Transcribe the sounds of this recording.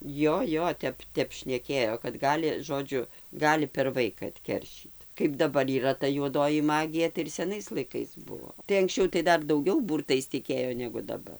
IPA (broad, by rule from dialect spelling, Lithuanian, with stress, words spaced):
ˈjoː ˈjoː ˈtʲɛp ˈtʲɛp ʃʲnʲɛˈkʲeːjoː kɐt ˈɡɑːlʲɪ ˈʒoːd͡ʒʲʊ ˈɡɑːlʲɪ pʲɛr ˈʋɐɪkɐ ɐtʲˈkʲɛrʲʃʲiːt kɐɪp dɐˈbɐr iːˈrɐ tɐ juɔˈdoːjɪ ˈmɑːɡʲɪjɛ tɐɪ ɪr sʲɛˈnɐɪs lˠɐɪˈkɐɪs ˈbuɔ tɐɪ ɐŋksʲˈt͡ʃʲɛʊ tɐɪ ˈdɐr dɐʊˈɡʲɛʊ ˈbuːrtɐɪs tʲɪˈkʲeːjoː nʲɛɡʊ dɐˈbɐr